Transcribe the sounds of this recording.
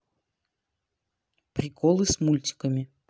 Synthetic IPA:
pɾʲɪkʰɔlˠɨsmulʲtʲɪ̥kəmʲɪ

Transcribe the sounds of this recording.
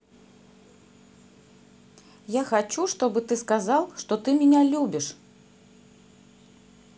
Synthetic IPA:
jaxat͡ʃuʂt̪ɔbɨt̪ɨskazalˠʂt̪ɔt̪ɨmʲinʲalʲubʲiʂ

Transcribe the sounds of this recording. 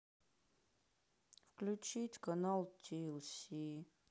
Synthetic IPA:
fklʲut͡ɕitʲkanalˠtʰʲilˠsʲi

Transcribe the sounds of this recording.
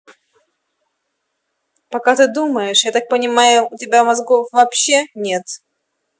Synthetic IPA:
pɐkat̪ɨd̪uməjɪʂjat̪ak̚pənʲɪmajʊʊtʲɪbʲamɐzɡofvɐpɕːe̞nʲe̞t̪

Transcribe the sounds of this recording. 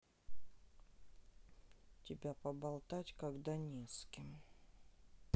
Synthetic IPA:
tʲɪbʲapəbɐlˠt̪atʲkaɡd̪anʲeskʲɪm

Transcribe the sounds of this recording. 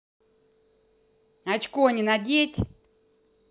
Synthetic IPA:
at͡ɕkonʲɪnadʲetʲ

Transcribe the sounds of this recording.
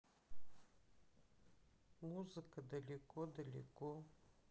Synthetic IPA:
muzɨkəd̪ɐlʲɪkod̪ɐlʲɪ̰ko

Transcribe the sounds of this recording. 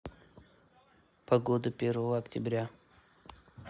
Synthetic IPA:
pɐɡod̪ɨpʲervəvəɐktʲɪbɾʲa

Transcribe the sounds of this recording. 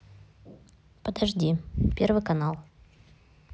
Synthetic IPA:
pəd̪ɐʐdʲipʲervɨjkɐnalˠ

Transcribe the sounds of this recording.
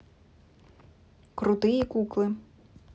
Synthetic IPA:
kɾʊt̪ɪjikuklˠɪ

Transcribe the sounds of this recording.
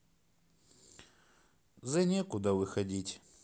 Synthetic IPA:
zɐnʲekʊd̪avɨxɐdʲitʲ

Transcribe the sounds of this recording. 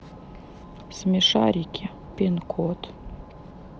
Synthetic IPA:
smʲeʃɑɾʲikʲʰe | pʲenkʰot̪

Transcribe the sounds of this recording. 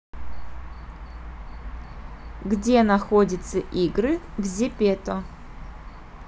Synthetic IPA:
ɡdʲenaxodʲɪt̪səʔiɡrɨvzʲepʲet̪ɔ

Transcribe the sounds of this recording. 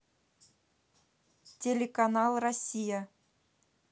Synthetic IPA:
tʲelʲekanɑlˠrɐsʲːija

